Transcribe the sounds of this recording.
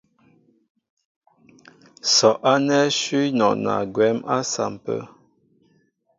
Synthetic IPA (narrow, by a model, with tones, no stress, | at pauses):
sɔ˨ʔa˦nɛ˦ʃi˦nɔ˨na̰˨ɡwɛ˨˦mʔa˦sa̰˨m˨pə̰˦